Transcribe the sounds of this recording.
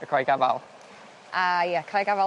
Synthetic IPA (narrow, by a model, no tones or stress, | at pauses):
əkʰɹajɡava̰lˠ | ʔajakʰɹajɡava